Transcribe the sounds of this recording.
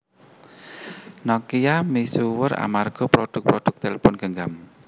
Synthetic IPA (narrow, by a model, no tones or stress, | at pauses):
nɔkijamisuwəɾa̰marɡ̥ɔ̤pɾɔɖ̥ʊk̚pɾɔɖ̥ʊk̚t̪elepʊnɡ̥əŋɡam